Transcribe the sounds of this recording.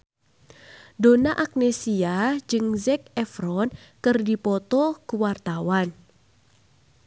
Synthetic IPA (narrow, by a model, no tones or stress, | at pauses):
donaʔak̚nesiad͡ʒɨŋzɛk̚ɛfɾɔnkɨrdipɔt̪ɔkuwart̪awan